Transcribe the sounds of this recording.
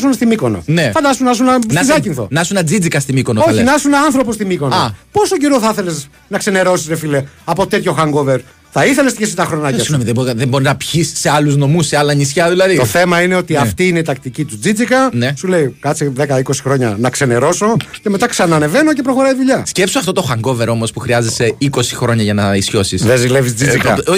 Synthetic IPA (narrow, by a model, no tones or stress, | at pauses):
sunst̪imiko̞no̰nefɐnd̪ɐst̪unɐsunɐssiðɐcinθo̞̰nɐsunɐd͡zid͡zikɐst̪imikonooçlinɐsunɐnθɾo̞post̪imiko̞noɐpo̞soɟeɾo̞θɐθe̞les | nɐkse̞ne̞ɾo̞sisɾefile̞ɐpo̞t̪e̞t̪ʰço̞xɐŋɡoveɾ | θɐiθele̞st̪içesit̪ɐxɾo̞nɐcɐsnomiðeboðemboɾinɐpçisːe̞ɐluzno̞museɐlɐɲisçɐðilɐðit̪o̞θe̞mɐine̞o̞t̪iɐft̪iineit̪ɐk̚t̪icit̪ud͡zid͡zikɐnesule̞ikɐt͡siðekɐiko̞si̥xɾo̞ɲɐnɐkse̞ne̞ɾo̞so̞ce̞me̞t̪ɐksɐnɐneve̞nocepɾo̞xo̞ɾɐiðuʎɐsce̞psoɐft̪o̞t̪o̞xɐŋɡo̞ve̞ɾo̞mospuxɾiɐzese̞iko̞si̥xɾo̞ɲɐʝɐnɐisço̞sisðezilevizd͡ziikɐ̰